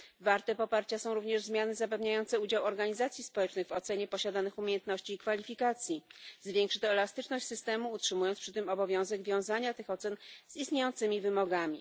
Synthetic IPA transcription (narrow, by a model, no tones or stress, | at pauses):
vaɾt̪ɛpɔpaɾt͡ɕasɔ̃w̃ɾuvɲɛʐzmʲjanɘzapɛvɲajɔnt̪sɛud͡ʑawɔɾɡaɲizat̪sʲjispɔwɛt͡ʂnɘɣvɔt̪sɛɲɛpɔɕad̪anɘxumʲjejɛnt̪nɔɕt͡ɕiːkfalʲifʲikat̪sʲjizvʲjɛŋkʂɘ̥t̪ɔɛlast̪ɘt͡ʂnɔɕt͡ɕʲsɘst̪ɛmuːtʂɘmujɔnt̪spʂɘt̪̬ɘmɔbɔvʲjɔ̃w̃zɛɡvʲjɔ̃w̃zaɲat̪ɘxɔt̪sɛnz̥ist̪ɲejɔnt̪sɘmʲivɘmɔɡamʲi